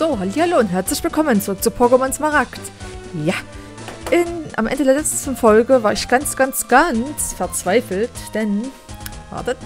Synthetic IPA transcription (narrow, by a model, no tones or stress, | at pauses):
z̥oːɦaliːhaloːnɦɛɐt͡slɪçv̥ɪlkʰɔmənt͡soːt͡supʰoɐɡomansmaʁakt | ja | ʔɪnʔa̰mʔɛ̰ndədeːɐlɛt͡səstn̩fɔlɡəvaːɐɪçɡ̥ant͡sɡ̥ant͡sɡ̥ansfɛɐt͡sv̥aɪfl̩td̥ɛn | v̥a̰ɐdɛt